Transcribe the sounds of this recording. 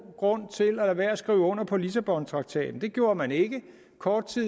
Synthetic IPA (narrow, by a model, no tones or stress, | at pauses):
ɡ̥ʁɔ̽n̰t͡sʰe̝lælæʋæɐæsɡ̥ʁiːʊɔ̽n̰ɐpʰɒ̽lisæb̥ɒ̽nt͡sʰʁɑ̈ɡ̥̚t͡sʰɛ̰ːd̥n̩d̥e̝ɡ̥jo̝ːɐmæne̝ɡ̥ə | kʰɒːd̥̚t͡sʰi